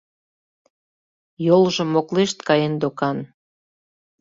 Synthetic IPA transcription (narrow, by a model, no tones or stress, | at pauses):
jolʒə̆mːokleʃt̪kɑjend̪okɑn